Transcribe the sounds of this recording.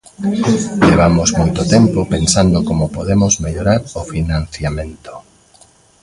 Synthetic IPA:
ʎeβamozmojt̪ot̪empopensand̪okomopoðemozmeʎoɾaɾofinãn̟θjamẽnt̪o̥

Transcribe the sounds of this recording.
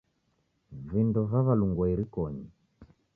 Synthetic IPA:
vindɔβaβaluŋɡɔiɾikɔɲi

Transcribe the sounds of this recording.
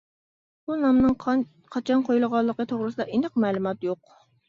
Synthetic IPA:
bunɑmnɨŋ | qʰɑt͡ʃʰɑnqʰojulˠəʁɑlˠːəqət̪ʰoʁɾɨsɨd̪ɑʔenɨqmɛːlˠumɑt̪joq

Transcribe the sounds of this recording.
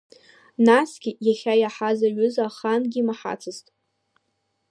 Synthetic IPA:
nasɡʲɪjaχʲajaħazaɥʏzaχanɡʲimaħa̰t͡sʰɨztʼ

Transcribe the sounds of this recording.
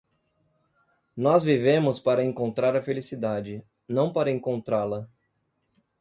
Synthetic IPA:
nɔzvivẽmʊspaɾɐẽŋkõnt̪ɾaɾɐfelisid̪ad͡ʒɪ | nɐ̃w̃paɾɐẽŋkõnt̪ɾalɐ

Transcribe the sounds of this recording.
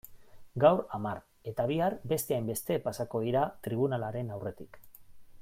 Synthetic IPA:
ɡawɾamar | e̞t̪aβiaɾbe̞st̪e̞ajmbe̞st̪e̞pasako̞ð̞iɾat̪ɾiβ̞unalaɾe̞nawre̞t̪ik

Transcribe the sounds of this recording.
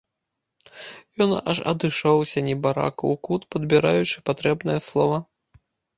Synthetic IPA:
jɔna̰ʂɐ̰d̪ɨʂɔwsʲɐnʲɛbaɾa̰kɐwkut̪pɐd̪bʲiɾajut͡ʂɨpat̪ɾɛbnɨjɐslˠɔvɐ

